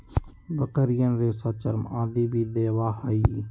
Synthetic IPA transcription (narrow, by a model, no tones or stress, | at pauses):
bəkəɾɪjənɾeːsaːt͡ʃəɾmã̰ːd̪iːbiːd̪eːʋaːhaiː